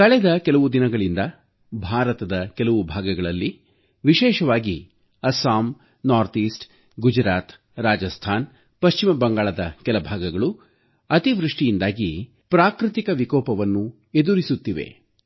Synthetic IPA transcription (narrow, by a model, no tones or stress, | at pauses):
kɐɭɛd̪ɐkɛlɐʋud̪inɐɡɐɭind̪ɐ | bʱaːɾɐt̪ɐd̪ɐkɛlɐʋubʱaːɡɐɡɐɭɐlːi | ʋiʃɛːʃɐʋaːɡi | ɐsaːm | naːɾt̪iːsʈ | ɡud͡ʒɾaːt̪ | ɾaːd͡ʒɐst̪ʰaːn | pɐʃt͡ʃimɐbɐŋɡaːɭɐd̪ɐkɛlɐbʱaːɡɐɡɐɭu | ɐt̪iʋɾuʂʈijind̪aːɡi | pɾaːkɾɨt̪ikɐʋikɔːpɐʋɐnːu | ed̪uɾisut̪ːiʋe̞̰